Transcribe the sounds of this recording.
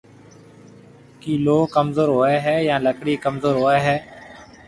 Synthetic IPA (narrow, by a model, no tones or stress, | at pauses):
kiːloːkəmzoːɾɦoːeːɦɛːjãːləkɽiːkəmzoːɾɦoːɛːɦɛː